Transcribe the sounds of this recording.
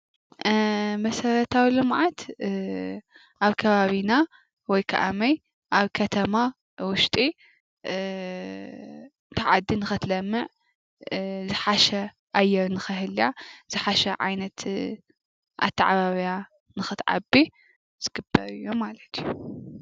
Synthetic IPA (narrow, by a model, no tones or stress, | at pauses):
mɐsɐɾɐt̪ʰawilɨmʕat̪ | ʔaβkʰɐβaβina | wɔjkʰɐ̰ʔamɐj | ʔaβkʰɐt̪ʰɐma | wʊʃt̪ʼi | t̪ʰɐʕad̪ːinɨxɨt̪lɐmːɨʕ | zɨħaʃɐ | ʔajːɛɾnɨxɨɦɨljaz̥ɨħaʃɐʕa̰jnɐt̪ | ʔa̰t̪ʰːaʕaβaβija | nɨxɨt̪ʕa̰bi | z̥ɨɡ̥ɨbɐɾɨjːomalɐt̪ʰju